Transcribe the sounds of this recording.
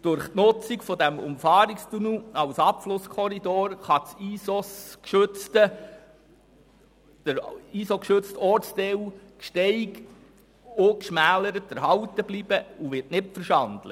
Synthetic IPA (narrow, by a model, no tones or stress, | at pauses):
d̥ʊɾχtnʊt͡sikfɔdæmʊ̰mfɑːɾikstunuɑwsɑpflʊskʰɔɾidoːɾχɑt͡siːsoskʃɵt͡stə | d̥əɾiːsokʃɵt͡stɔɾt͡sdɛwkʃtɛɪɡ | okʃmæːləɾətæɾɦɑwtəblib̥əuʋɪrtnɪtfəɾʃɑndlə̰